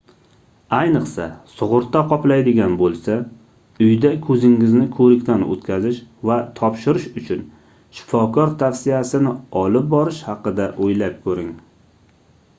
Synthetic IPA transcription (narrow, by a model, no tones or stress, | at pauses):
ajnɨqsa̰sʊʁʊɾt̪ːaqʰɒplajd̪ɪɡʲanbolˠsa | ʊjd̪akʰɵzɪŋːɪznɪkʰɵɾɪkʲt̪ʰanɵ̰t̪kʲʰazɪʃvat̪ʰɒpʃɪɾɪʃʊt͡ʃʰʊn | ʃɪ̥fɒkʰɒɾt̪ʰafsɪjasɪnɪɒlɪp̚bɒɾɪʃhɑqɨd̪aʔojlap̚kʰɵɾɪŋ